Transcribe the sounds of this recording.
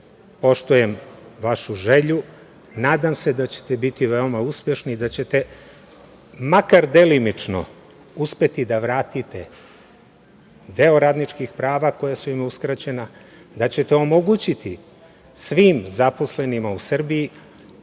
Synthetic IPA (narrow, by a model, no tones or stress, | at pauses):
po̞ʃt̪oje̞mʋaʃuʒe̞ʎu | naːd̪amse̞d̪at͡ɕe̞̥t̪ebit̪iʋe̞o̞mauspʲje̞ʃnid̪at͡ɕe̞t̪e̞ | makaɾd̪e̞limit͡ʂno̞̰ | uspe̞t̪id̪aʋɾaːt̪it̪e̞̰ | d̪e̞oɾaːd̪nit͡ʃkixpɾaːʋako̞jasuimuskɾat͡ɕe̞na | d̪at͡ɕe̞t̪eo̞moɡut͡ɕit̪i | sʋiːmzapo̞sle̞nimausr̩biji